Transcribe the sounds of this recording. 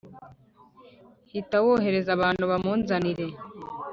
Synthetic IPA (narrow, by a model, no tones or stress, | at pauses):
hit̪ɐwoɦeɾezɐbaːnoβamonzaniɾe